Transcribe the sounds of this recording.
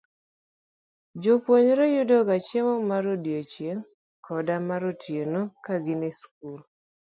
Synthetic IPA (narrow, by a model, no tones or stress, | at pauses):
d͡ʒopwoɲɾejʊdɔɡat͡ʃjemomaɾodjot͡ʃjeŋ | kʰɔdamaɾotʰjenokaɡɪnesk̚ul